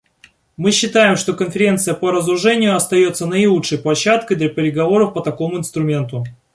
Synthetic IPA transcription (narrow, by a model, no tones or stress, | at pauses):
mɨɕːɪt̪ajɪmʂt̪o̞kənfʲɪɾʲe̞nt̪sɨjəpəɾəzɾʊʐɛnʲɪjʊɐst̪ɐjo̞t̪sːənəɪlˠutʂəjplˠɐɕːat̪kəjd̪lʲɐpʲɪɾʲɪɡɐvo̞ɾəfpət̪ɐko̞mʊɪnst̪ɾʊmʲe̞nt̪ʊ